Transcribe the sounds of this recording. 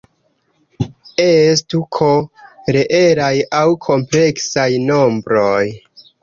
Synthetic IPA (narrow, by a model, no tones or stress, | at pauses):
es̬tukʰo̞ɾeʔe̞ɾajawkʰo̞mple̞ksajno̞mbɾo̞j